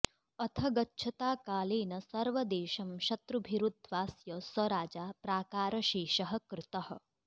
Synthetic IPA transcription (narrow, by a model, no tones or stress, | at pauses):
ɐt̪ʰɐɡɐtːʃʰɐt̪aːkaːleːnɐsɐɾʋɐd̪eːʃɐmʃɐt̪ɾubʱiɾud̪ʱʋaːsjɐsɐɾaːd͡ʒaːpɾaːkaːɾɐʃiːʃɐɦɐ̆kɾɪt̪ɐɦɐ̆